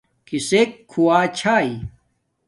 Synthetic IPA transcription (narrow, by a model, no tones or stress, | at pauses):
kisekʰːuwaːt͡ɕʰaːi